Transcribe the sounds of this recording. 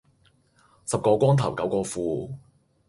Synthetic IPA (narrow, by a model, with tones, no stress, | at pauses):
sɐ˨p̚kɔː˧kʷwɔː˥ŋt̪ʰɐ˨˩wkɐ˨˥wkɔː˧fuː˧